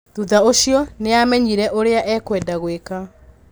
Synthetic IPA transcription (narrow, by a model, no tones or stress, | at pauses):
ðuðaoɕjɔneamɛɲiɾɛʔoɾeaʔɛːkwɛdaɣweka